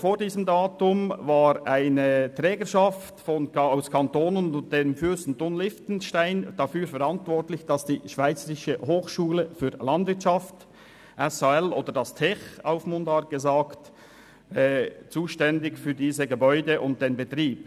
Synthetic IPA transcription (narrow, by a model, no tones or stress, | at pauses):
foːʁdiːzəmdaːtʊmvaːɾaɪnətʁɛːɡəʃɑftfɔnaʊskʰɑntoːnənʊd̥eːmfystn̩tʊnlɪftn̩ʃtaɪnd̥ɑfyːɾfɛɾɑntvɔʁtlɪçd̥ɑsd̥iːʃv̥aɪt͡səɾɪʃəhoːxʃuːləfyːlɑndvɪɐtt͡ʃɑft | ʔɛsaɛloːd̥ədɑstʰɛçaʊfmʊndaɡ̥əzaːkt | ɛːt͡suːʃtɛndɪkfyːɐdiːzəɡəbɔʏdəʔʊnt̚d̥eːnbətʁiːp